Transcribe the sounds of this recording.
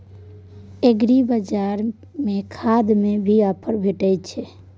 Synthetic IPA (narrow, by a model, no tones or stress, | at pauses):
eɡɾibəd͡ʒaɾ | mekʰad̪mebʱiapʰəɾbʱeʈəjt̪̚t͡ʃʰɛ